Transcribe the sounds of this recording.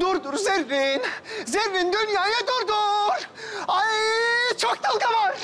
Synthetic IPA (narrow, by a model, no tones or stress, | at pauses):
d̪uɾd̪uɾzeɾvinzeɾvind̪ynjajɯd̪uɾd̪uɾajt͡ʃʰok̚t̪ʰalˠk̪ʰavaɾ